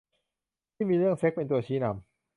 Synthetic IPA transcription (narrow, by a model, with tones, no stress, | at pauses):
t̪ʰiː˥˩miː˧ɾɯ˥˩əŋse˦˥k̚pe˧nt̪u˧ɐt͡ɕʰiː˦˥na˧m